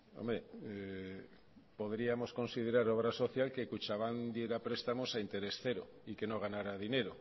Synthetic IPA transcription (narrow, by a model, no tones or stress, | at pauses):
o̰mɾee | po̞ðɾiamo̞sko̞nsið̞eɾaɾo̞β̞ɾaso̞θjalkekut͡ʃaβ̞and̪je̞ɾapɾe̞st̪amosaint̪e̞ɾe̞sθe̞ɾo̰ | ike̞noɣ̞anaɾaðine̞ɾo